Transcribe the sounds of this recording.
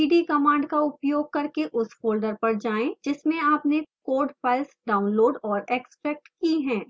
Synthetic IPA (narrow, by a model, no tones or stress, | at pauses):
iːɖikɐmãːɳɖkaʊpjoːɡ̚kɐɾkeʔʊsfoːlɖəɾpɐɾd͡ʒaːẽd͡ʒɪsmẽaːpnekoːɖpɐlsɖaːʊnloːɖɔːɾeːksʈɾɛːk̚ʈkiɦɛ̃ː